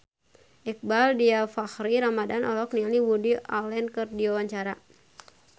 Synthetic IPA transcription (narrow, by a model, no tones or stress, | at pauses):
ʔɛk̚baldiafahɾiɾamadanʔɔlɔk̚nialiwudialɛnkɨrdiwawaɲt͡ʃaɾa